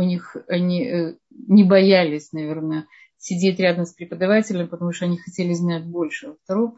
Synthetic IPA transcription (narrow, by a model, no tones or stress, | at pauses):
ʊnʲixɐnʲi | nʲɪbɐjalʲɪsʲnɐvʲe̞rnə | sʲɪdʲetʲɾʲad̪əmspɾʲɪpəd̪ɐvatʲɪlʲɪmpət̪ɐmuʂt̪oɐnʲixɐtʲelʲɪznat̚ʲbo̞lʲʂɨəft̪ɐɾo